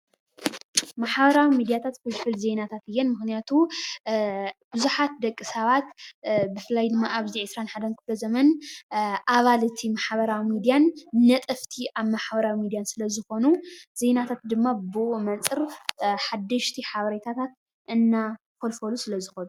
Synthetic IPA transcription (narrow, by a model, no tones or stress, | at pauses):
maħbɐɾawimid̪ijat̪ʰat̪folfɨlze̞nat̪ʰat̪ɨjːɛnmɨxnijat̪ʰu | b̥ɨzuħat̪̚d̪ɐkʼːisɐβat̪bɨfɨlːajd̪ɨmːaaβziʕɨsɾanħad̪ɐnkʰɨflɐzɐmɐn | ʔaβalt̪ʰimaħβɐɾawimid̪ijanːɐt̪ʼɨft̪ʰiʔaβmaħbɐɾawimid̪ijansɨlɐzɨxo̞nuz̥e̞nat̪ʰat̪̚d̪ɨmːabɨʔumɐnt͡sʼɨɾħad̪ːɨʃt̪ʰiħaβɐɾet̪ʰat̪ʰat̪̚ | ʔɨnːa | folfɐlusɨlɐzɨxonu